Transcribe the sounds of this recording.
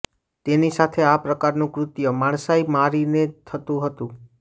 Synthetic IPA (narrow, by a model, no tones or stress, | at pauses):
t̪enisat̪ʰeapɾəkaɾnũkɾʊt̪jəmaɳ̃saimaɾinet̪ʰət̪ũɦət̪ũ